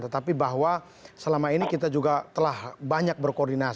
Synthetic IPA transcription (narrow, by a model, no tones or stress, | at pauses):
t̪ət̪apibaɦwa | səlamainikit̪ad͡ʒuɡat̪əlahbaɲak̚bərkoːrdina